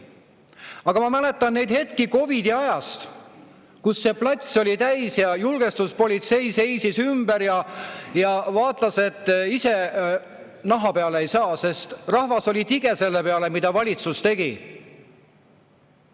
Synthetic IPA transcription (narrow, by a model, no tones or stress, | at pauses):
ɑɡ̥ɑmɑmæle̞t̪ːˑɑnne̞jd̪̥he̞t̪kiko̞vid̪̥iɑjɑst̪ | kusːe̞plɑt̪ʲso̞lʲit̪æjsjɑjulɡ̥e̞st̪uspo̞lʲit̪se̞jse̞jsisymbeɾjɑjɑvɑːt̪ˑːɑse̞t̪ˑːise̞ | nɑɦɑpe̞ɑleejsɑːse̞st̪rɑhvɑso̞lʲit̪iɡ̥e̞se̞lːepe̞ɑle̞mid̪̥ɑvɑlʲit̪sust̪e̞ɡ̥i